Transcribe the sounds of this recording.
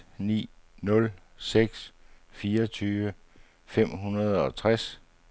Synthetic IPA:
nḭː | nɔ̽l | seɡ̥sfiːɐɐɒt͡sʰyːʋə | fem̰ɦunɐð̞ˠɒ̽t͡sʰʁas

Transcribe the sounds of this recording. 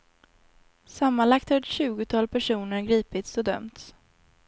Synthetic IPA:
samːanlakt̪hœɾɕʉ̟ːɡʊt̪ʰɑːlpʰæʂuːnəɾɡɾiːpɪt̪sɔd̪œ̰mt̪s

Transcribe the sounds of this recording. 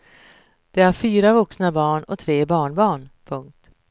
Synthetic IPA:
d̪̥ɛæɾfyːɾavɵksnabɑːɳɔ̰t̪ʰɾeːbɑːɳbɑːɳpʰɵŋk̚t̪

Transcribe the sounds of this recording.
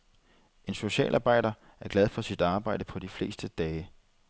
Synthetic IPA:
e̝nso̝ɕɛ̰ːlʔɑ̈ːb̥ɑ̈ɪ̰d̥ɐ | æɐɡ̥læð̞ˠfɒ̽sid̥ɑ̈ːb̥ɑ̈ɪ̰d̥əpʰɒ̽d̥ifle̝̰ːsd̥əd̥ɛː

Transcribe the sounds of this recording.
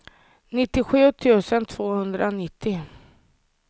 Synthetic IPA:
nɪt̪ːɪɧʉ̟ːt̪ʰʉ̟ːsənt̪ʰv̥oːhɵnd̪ɾʔanɪt̪ʰːɪ

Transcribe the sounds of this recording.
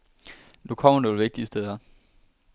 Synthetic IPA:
nukʰɒm̰ɐnoːl̩ʋe̝ɡ̥̚d̥iəsd̥eð̞ˠɐ

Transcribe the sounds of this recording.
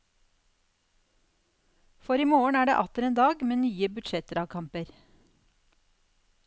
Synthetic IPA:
fɔɾiːmoːəɳ̩æːɖḛːʔɑt̪əɾeːnd̪ɑːɡmeːnyːəbʉd̪ʃɛt̪əɾɑːʋkʰɑmpəɾ

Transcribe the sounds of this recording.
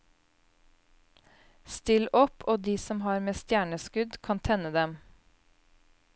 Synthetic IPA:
st̪ɪlʔɔpoːd̪iːsɔmhɑːɾmeːst̪jæːɳəskʉd̪kʰɑnt̪ʰɛnəd̪ɛm

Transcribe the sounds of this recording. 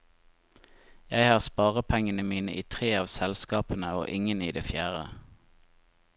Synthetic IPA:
jæɪhɑːʁspɑːʁəpʰɛŋənəmiːnə̰ʔiːt̪ʰʁeːɑːʋsɛlskɑːpənəo̰ːʔɪŋəniːd̪eːfjæːʁə̰

